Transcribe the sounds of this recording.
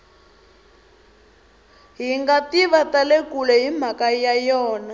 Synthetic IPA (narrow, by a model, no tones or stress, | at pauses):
ɦiŋɡatiβatalekulɛɦim̤akajajɔːna